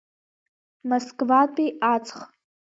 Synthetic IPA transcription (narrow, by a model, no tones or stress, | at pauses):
moskʼvatʼiat͡sʰʼχ